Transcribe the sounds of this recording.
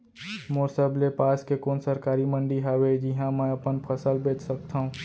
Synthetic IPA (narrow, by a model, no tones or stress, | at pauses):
moːɾsəblepaːskekoːnsəɾkaːɾimə̃ɳɖiɦawed͡ʒɪɦãmɛ̃ɐpənpʰəsəlbeːt͡ʃsək̚t̪ʰaːɦũː